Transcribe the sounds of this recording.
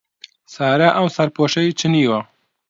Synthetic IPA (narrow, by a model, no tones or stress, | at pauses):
sɑːɾaʔawsaɾpoʃajt͡ʃəniwa